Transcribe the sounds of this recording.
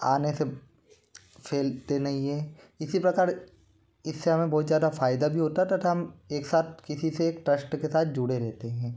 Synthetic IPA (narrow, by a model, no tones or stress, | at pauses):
a̰ːnese | fʰeːlt̪enɐɦĩɦɛ̃ː | ɪsipɾɐkaːɾ | ɪsːeɦɐmẽbɔːt̪zjaːd̪afaːɪd̪abʱiɦoːt̪aɦɛt̪ɐt̪ɦɐmeːksaːt̪̚ʰkɪsiseːkʈɾɐsʈkesaːt̪̚ʰd͡ʒʊɽeɾɛɦt̪eɦɛ̃ː